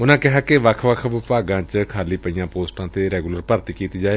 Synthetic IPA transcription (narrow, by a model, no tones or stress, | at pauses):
ʊnãːkɪɦaːkeʋəkʰʋəkʰʋɪpaːɡãːt͡ʃkʰaːliːpəiːjãːpoːsʈãːt̪eːɾɛːɡuləɾpəɾt̪iːkiːt̪iːd͡ʒaːeː